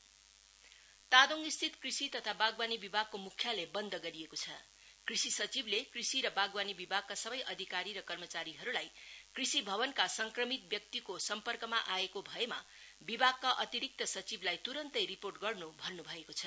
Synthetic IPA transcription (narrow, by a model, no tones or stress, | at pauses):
t̪ad̪oŋist̪ʰit̪krisit̪ʌt̪ʰabaɡwanibibʱaɡ̚komukʰːjalebʌnd̪ʱʌɡʌɾiekot͡sʰʌ | krisisʌt͡siblekrisiɾʌbaɡwanibibʱaɡ̚kasʌbʌjʔʌd̪ʱikaɾiɾʌkʌrmʌt͡saɾiɦʌɾulajkrisibʱʌbʌnkasʌŋkrʌmit̪̚bjʌk̚t̪ikosʌmpʌrkʌmaʔaekobʱʌema̰ | bibʱaɡ̚kaʔʌt̪iɾik̚t̪ʌsʌt͡siblajt̪uɾʌnt̪ʌjriporʈɡʌrnubʱʌrnubʱʌekot͡sʰʌ̥